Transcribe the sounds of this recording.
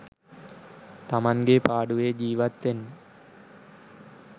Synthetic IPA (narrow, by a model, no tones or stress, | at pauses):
t̪ɐmɐnɡeːpaːɽɯʋeːd͡ʒiːʋɐt̪ːɪn